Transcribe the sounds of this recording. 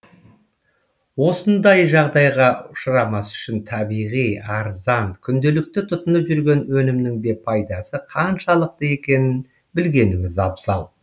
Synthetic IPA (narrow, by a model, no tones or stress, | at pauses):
wo̞sənd̪ɑjʒɑʁd̪ɑjʁɑʊʃəɾɑmɑsʏ̥ʃɪnt̪ʰɑbijʁijɑɾzɑnkʲʰʏnd̪e̞lɪk̚t̪ɪt̪ʰʊt̪ənəpʒʏɾɡʲe̞nwɵnɪmnɪŋd̪e̞pʰɑjd̪ɑsəqʰɑnʃɑlˠəq̚t̪əe̞kʲe̞nɪn | bɪlɡʲe̞nɪŋɪzɑbzɑ̰lˠ